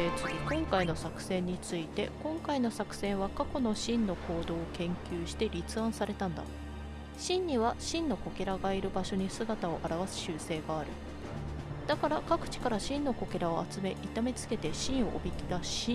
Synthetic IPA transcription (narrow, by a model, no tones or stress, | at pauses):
eːt͡sɨɡikõ̞ŋkaino̞sakɯ̟̥sẽ̞ɲ̟ːit͡sɨit̪e̞kõ̞ŋkaino̞sakɯ̟̥sẽ̞ɰ̃βakako̞no̞ɕĩnnːo̞ko̞ːd̪o̞ːkẽ̞ŋkʲɨːɕi̥t̪e̞ɾʲit͡sɨãɰ̃saɾe̞t̪ãnd̪a̰ | ɕĩɲ̟ɲiβaɕĩnːo̞ko̞kʲe̞ɾaɡaiɾɯ̟baɕo̞ɲ̟isɨɡat̪ao̞ʔaɾaβasɨ̥ɕɨːse̞ːɡaːɾɯ̟ | d̪̥akaɾakakɯ̟̥t͡ɕi̥kaɾaɕĩnːo̞ko̞kʲe̞ɾao̞at͡sɨme̞ʔit̪ame̞t͡sɨ̥ke̞t̪e̞ɕĩɰ̃o̞̰ʔːbʲikʲid̪aɕi